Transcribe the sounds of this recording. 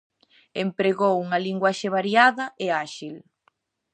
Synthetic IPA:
empɾeɣowuŋɐliŋɡwaʃeβ̞aɾjaðɐʔeaʃil

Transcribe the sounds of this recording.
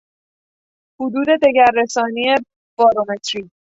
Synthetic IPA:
hud̪uːd̪e̞d̪eɟæɾːesɒːnie | b̥ɒːɾomet̪ʰɾi

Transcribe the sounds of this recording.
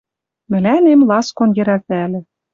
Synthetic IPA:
mɘ̆lænemlɑskonjɘ̆ɾæt̪ælĕ

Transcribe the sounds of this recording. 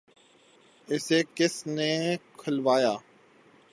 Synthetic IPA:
ɪseːkɪsneːkʰəlʋaːjaː

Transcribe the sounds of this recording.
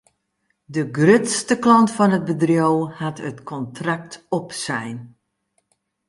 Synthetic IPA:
dəɡrøtstəklɔntfɔnɦəd̚bədrjowhatətkʰɔntrak̚tɔpsɛjn

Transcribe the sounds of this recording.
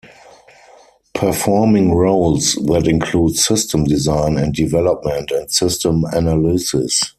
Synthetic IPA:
pʰə˞fɔmɪ̃ŋɹoʊlsðætɪ̃nkʰluːdsɪstə̃mdizãɪ̃nɛ̃nt̚divɛlɔp̚mɛ̃ntɛ̃ntsɪstə̃mænalisɪs

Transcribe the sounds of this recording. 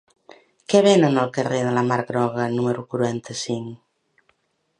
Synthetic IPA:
keβenenolkereðelamaɾɣɾɔɣ̞anumeɾukuɾuɛnt̪ʰesiŋ

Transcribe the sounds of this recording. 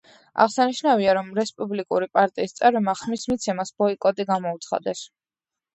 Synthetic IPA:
a̰ʁsaniʃnaviaɾɔmɾɛspʼublikʼṵɾipʼaɾt̪ʼiːst̪sʼɛvɾɛmaχmismit̪sʰɛmasbɔikʼɔt̪ʼiɡamɔut̪sʰχa̰d̪ɛs

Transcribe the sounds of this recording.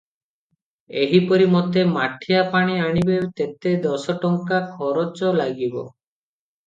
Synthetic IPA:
eɦipɔɾimɔt̪emaʈʰijapaɽ̃iaɽ̃ibet̪et̪ed̪ɔsɔʈɔŋkakʰɔɾɔt͡ʃɔlaɡibɔ̰

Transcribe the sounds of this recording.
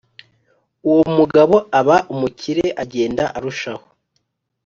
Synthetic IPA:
uwo̞muɡaβo̞aβaʔumucʰiɾeʔaɟe̞ːndaʔaɾuʃaho

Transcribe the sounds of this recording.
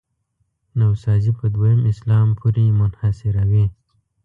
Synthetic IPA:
nawsɑːzipəd̪wajəmɪslɑːmpʰuɾimʊnhasɪɾawi

